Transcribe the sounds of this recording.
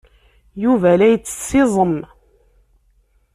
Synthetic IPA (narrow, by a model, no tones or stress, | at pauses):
juvælæjət͡sːə̥sɪzˤəm